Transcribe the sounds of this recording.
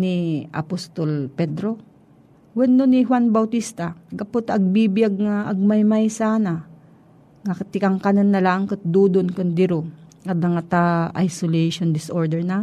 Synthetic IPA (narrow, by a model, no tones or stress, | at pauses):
niʔɐ̰post̪olpɛd̪ɾo̞ | wɛnːonɪɦwanbɐwt̪ist̪ɐɡɐpʊt̪ɐɡ̚bibɪjaɡ̚ŋaʔɐɡ̚mɐjmajsaːna | ŋɐkt̪ɪkɐŋkanɐnːɐlaŋkɐt̪̚d̪uːd̪onkʊnd̪ɪɾoŋɐd̪ɐŋɐt̪aʔa̰jsolɛʃond̪ɪsʔoɹd̪ɛɹna